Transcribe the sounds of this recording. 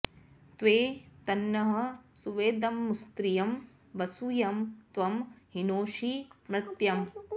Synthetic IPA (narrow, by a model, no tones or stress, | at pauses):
t̪ʋeːt̪ɐnːɐɦɐ̆suʋeːd̪ɐmːust̪ɾijɐm | ʋɐsujɐmt̪ʋɐmɦinoːʂimɾɪt̪jɐm